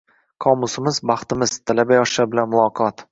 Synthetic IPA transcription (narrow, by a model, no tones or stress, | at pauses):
kʰɒmʊsɪmɪzbɑχt̪ɪmɪz̥t̪ʰalabajɒʃabɪlanmʊlˠɒqʰɒt̪